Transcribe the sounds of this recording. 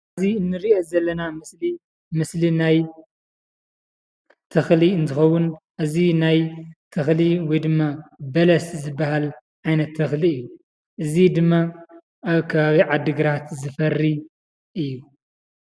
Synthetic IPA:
ziɨnːɨɾiʔozɐlːɐnamɨsli | mɨslinaj | t̪ʰɐxliɨnt̪ʰɨxɐwʊnʔɨzinajt̪ʰɐxliwɔjd̪ɨmːabɐlɐszɨbːɐhal | ʕajnɐt̪ʰːɐxliɨjːu | ʔɨzid̪ɨmːa | aβkʰɐβaβiʕad̪ːɨɡɾat̪zɨfɐrːi | ʔɨjːu

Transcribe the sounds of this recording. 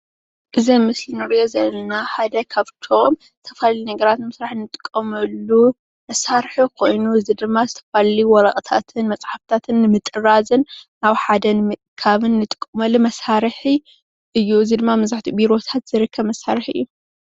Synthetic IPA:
ʔɨzimɨsjinɨɾijozɐlnaħad̪ɐkʰaβt̪ʰo̞m | zɨt̪ʰɐfallinɐɡɐɾat̪nɨmɨsɾaħnːɨt̪ʼɨ̥kʼːɐmɐlːu | mɐsaɾħukʰo̞jnuɨzid̪ɨmːazɨt̪ʰɐ̥falliwɔɾakʼt̪ʰat̪ʰɨnmɐt͡sʼħaft̪ʰat̪ʰɨnːɨmɨt̪ʼɨɾazɨn | aβħad̪ɐnɨmɨkʰːaβɨnːɨt̪ʼɨ̥kʼːɨmɐlːumɐsaɾħi | ʔɨjːuɨzid̪ɨmːamɐzaħt̪ʰibiɾo̞t̪ʰat̪z̥ɨɾɨkʰːɐβmɐsaɾɨħʔɨ̰jːu

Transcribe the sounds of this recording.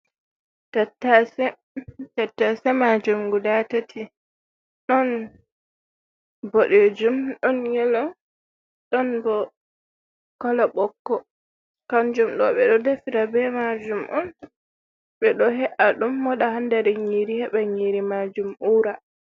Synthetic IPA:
tatːasɛ | tatːasɛmad͡ʒumɡudatatʰi | ɗɔn | boɗed͡ʒumɗɔnjɛlɔ | ɗɔnbɔ | kɔlɔɓɔkːɔ | kand͡ʒumɗɔɓɛɗɔdefiɾabɛmad͡ʒumʔɔn | ɓɛɗɔɦɛʔaɗumːɔɗahandaɾɛɲiɾihɛɓɛɲiɾimad͡ʒumuɾa

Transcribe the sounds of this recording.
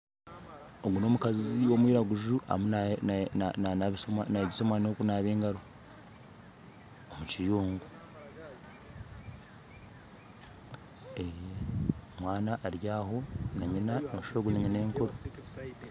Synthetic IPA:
oɡuno̞mukaziwo̞mwiːɾaɡuʒuʔa̰muna | soanaeɟiso̞mwanokunaːβe̞ːŋɡaɾo | omucijuːŋɡu | ejemwaːnaʔːɾjaːɦo̞naɲinanoʃoːɡuniɲine̞ːŋkoɾo

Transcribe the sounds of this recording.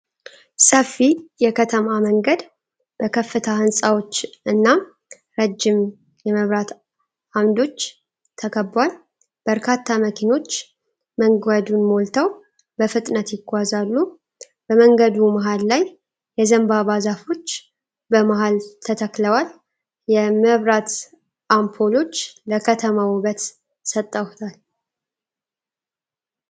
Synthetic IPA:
səfːijɛkʰət̪ʰəmaməŋɡəd̪ | b̥əkʰəfːɨt̪ʰahɨnsʼawo̞t͡ʃːʔɨnːa | ɾəd͡ʒːɪm | jɛməβɾat̪ | ʔamd̪o̞t͡ʃː | t̪ʰəkʰəbwal | b̥əɾkʰat̪ʰːaməkʰino̞t͡ʃː | məŋɡad̪unmo̞lt̪ʰəw | bəfɨt̪ʼnət̪jɪɡʷazalːu | b̥əməŋɡəd̪umaɦalːaj | jɛzəmbaβazafo̞t͡ʃː | bəmaɦalt̪ʰət̪ʰəkləwal | jɛməβɾat̪ | ʔampʰolo̞t͡ʃːləkʰət̪ʰəmawuβət̪ | sət̪ʼːəwt̪ʰal

